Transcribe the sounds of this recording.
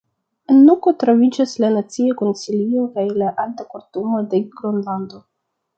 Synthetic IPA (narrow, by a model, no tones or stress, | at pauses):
enːukotɾovid͡ʒaslanat͡siako̞nsilio̞kajlaʔaltakoɾtumo̞de̞ɡ̥ɾonlando̞